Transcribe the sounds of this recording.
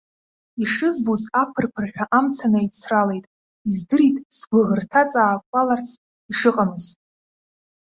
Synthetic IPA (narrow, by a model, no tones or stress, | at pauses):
iʂɨzbuzapʰɨrpʰɨrħᶣaʔamt͡sʰanait͡sʰrale̞jtʼ | izdɨɾitʼsɡʷaʁərtʰat͡sʼaːkʷʼalart͡sʰ | iʂɨqʼamɨzt